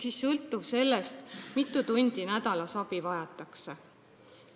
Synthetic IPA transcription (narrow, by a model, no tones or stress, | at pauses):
sisːɤlt̪ːˑuvse̞lːest̪mit̪ːˑut̪unʲd̪̥inæd̪̥ɑlɑsɑb̥ivɑjɑt̪ːˑɑkse